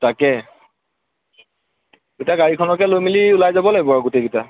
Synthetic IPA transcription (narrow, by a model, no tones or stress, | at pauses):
takɛ | ɡitaɡaɹikʰɔnɔkɛlojmiliʊlajzabɔlaɡibɔɡuteɡita